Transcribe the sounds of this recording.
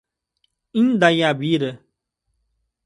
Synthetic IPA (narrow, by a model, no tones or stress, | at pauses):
ĩndajabiɾə